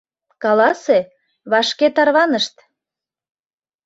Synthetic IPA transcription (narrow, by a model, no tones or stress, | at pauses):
kɑlɑse | βɑʃket̪ɑrβɑnəʃt̪